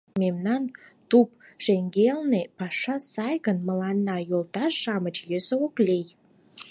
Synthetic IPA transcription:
memnɑnt̪upʃeŋɡelnepɑʃɑsɑjɣənməlɑnːɑjolˠt̪ɑrʃɑmət͡ɕjøsəoklej

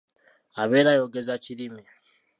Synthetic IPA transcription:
aβeɾajoɡezat͡ʃiɾime

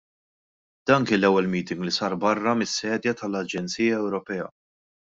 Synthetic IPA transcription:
d̪̥ɐːnkɪːnlːɛwːɛlmiːt̪ɪŋɡlisɐːɾbɐrːɐmɪsːɛːd̪jɐt̪ɐlɐd͡ʒɛnt͡siːjɐɛwɾɔpɛːɐ̰

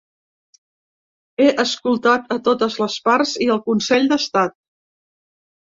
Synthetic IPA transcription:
eʔəskulˠt̪at̪ət̪ot̪əzləspaɾziəlˠkunsɛʎʲd̪əst̪at̪̚

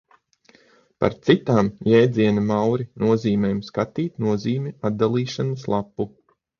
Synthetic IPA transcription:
pa̰ɾt̪sit̪aːmjeːd̪ziɛnɐmawɾinuɔziːmʲeːjumskat̪iːt̪nuɔziːmʲɛad̪̚d̪alˠiːʃanəslˠapːu

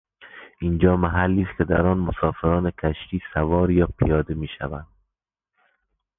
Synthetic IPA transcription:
ind͡ʒɒːmæɦælːiːst̪kʲʰed̪æɾɒːnmosɒːfeɾɒːnekʲʰæʃt̪iːsævɒːɾjɒːpʰijɒːd̪emiːʃæ̰vænd̪

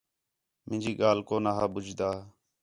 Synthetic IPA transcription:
mʔɪ̃nd͡ʒiːɡaːlkoːnaːɦaːɓʊd͡ʒd̪aː

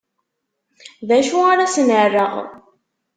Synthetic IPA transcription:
ðæʃuaɾasənərːəʁ

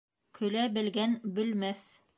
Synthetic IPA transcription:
kʰɵ̆læbɘ̆lɡænbɘ̆lmæθ

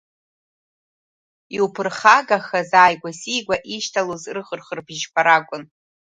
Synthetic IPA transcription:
iupʰɨrχaɡaχazaːjɡʷasijɡʷaʔiʃtʰalozrχərχərbʒpʰaɾakʷʼʊn

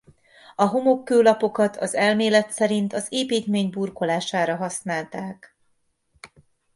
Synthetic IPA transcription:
ɒɦo̞mo̞kːøːlɒpo̞kɒt̪ʰɒzɛlmeːlɛt̪sɛɾint̪ɒzeːpiːt̪meːɲburko̞laːʃaːɾɒɦɒsnaːlt̪aːk

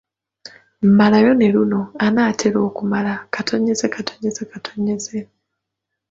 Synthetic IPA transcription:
m̩malajo̞neluno̞anaːtʰeɾo̞ːkumalakatʰo̞ɲe̞zekatʰo̞ɲe̞zekatʰoɲeze

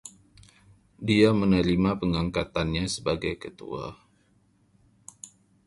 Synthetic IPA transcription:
diamənəɾimapəŋaŋkat̪anɲasəbaɡajkət̪ṵa̰

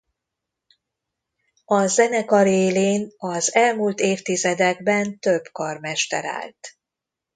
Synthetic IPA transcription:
ɒzɛnɛkɒɾeːleːnɒzɛlmult̪eːft̪izɛd̪ɛɡbɛnt̪øbkɒrmɛʃt̪ɛ̰ɾa̰ːlt̪

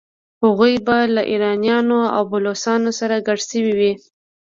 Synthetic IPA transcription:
haɣujbalaʔiɾɑnjɑnoa̰wbʊlosɑnosaɾaɡaɽsəwiwi

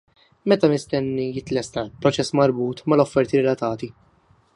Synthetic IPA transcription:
mɛt̪ɐmɪst̪ɛnːijɪt̪lɛst̪ɐlpɾɔt͡ʃɛsːmɐɾbuːt̪mɐlɔfːɛɾt̪iɾɛlɐt̪ɐːt̪i

